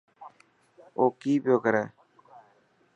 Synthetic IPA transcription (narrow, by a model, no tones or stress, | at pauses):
oːkiːpjoːkəɾɛː